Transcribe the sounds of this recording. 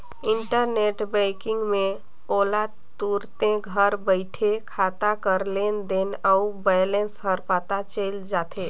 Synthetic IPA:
ɪɳʈəɾneʈbɛɪkɪ̃ŋɡme | ola | t̪uɾt̪ẽɡʱəɾbəɪʈʰekʰat̪akəɾlend̪enəubɛjlensɦəɾpat̪at͡ʃəld͡ʒat̪ʰe

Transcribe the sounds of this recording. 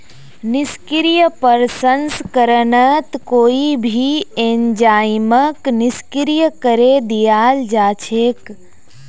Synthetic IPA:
nɪskɾijəpəɾsənskəɾənət̪koːibʱieɲd͡ʒaːɪməknɪskɾijəkəɾed̪ijaːld͡ʒaːt͡ʃʰeːk

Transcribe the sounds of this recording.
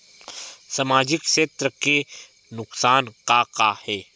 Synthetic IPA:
sɐmaːd͡ʒɪkʃeːt̪ɾəke | nʊqsaːnqaːqahɛː

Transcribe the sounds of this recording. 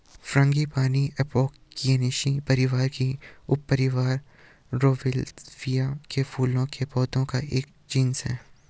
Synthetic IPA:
fɾɐ̃ŋɡipaːniɛpoːkː | ieneːʃipɐɾɪʋaːɾkiʊpːəɾɪʋaːɾː | oːʋɪlfijakefʰuːlõkʰepɔːd̪õkaʔeːk | d͡ʒiːnsɦɛ̰ː

